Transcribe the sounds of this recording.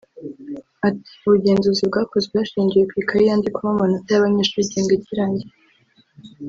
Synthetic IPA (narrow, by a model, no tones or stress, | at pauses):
ati̥uβuɟe̞ːnzuzibɡaːko̞zebaʃiːɲɟijekwikaɾijaːndikuβamanotajaβaɲeːʃuɟeːŋɡaciɾaːɲɟi